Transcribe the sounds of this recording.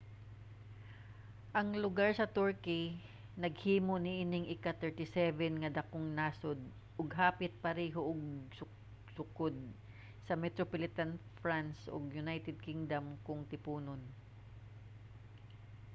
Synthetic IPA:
ʔɐŋlʊɡaɹsɐt̪uɹkɪ | nɐɡ̚hiːmonɪʔɪnɪŋʔɪkat̪ɛɹt̪ɪsɛvɛnŋɐd̪ɐkoŋnaːsod̪̚ | ʔʊɡɦaːpɪt̪̚pɐɾɛːɦoʔoɡsʊ | sʊkod̪̚ | sɐmɛt̪ɾopolɪt̪anfɹansʔo̰ɡjʊnajt̪ɛd̪̚kɪŋd̪ɐmkʊŋt̪ɪpuːnon

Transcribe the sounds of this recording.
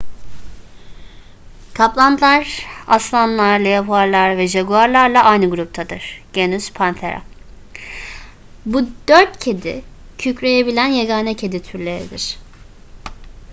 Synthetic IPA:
kʰaplˠand̪ʰɯlˠaɾa̰slˠanlˠaɾlˠajapʰuaɾlˠaɾvɛʒaɡuaɾlˠaɾlˠaʔajnɯɡuɾup̚t̪ʰad̪ɯɾ̥ɟ̥enyz̥pʰant̪ʰeɾa̰ | bud̪̥øɾt̪cʰe̞d̪ḭ | cʰycɾejebilʲænjaɡaːnɛcʰe̞d̪it̪ʰyɾlʲe̞ɾḭd̪iɾ̥

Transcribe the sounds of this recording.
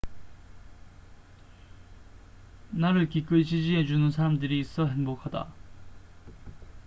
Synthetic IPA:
naɾɯɭkik͈ɯɭt͡ɕid͡ʑiɦe̞d͡ʑunɯns̬ʰaɾamdɯɾiːs͈ʌɦe̞nbokʰada̰

